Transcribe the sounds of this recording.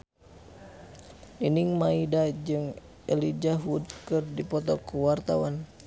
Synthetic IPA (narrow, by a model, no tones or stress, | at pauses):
niniŋmaidad͡ʒɨŋ | ɛlid͡ʒaɦud̚kɨrdipɔt̪ɔkuwart̪a̰wan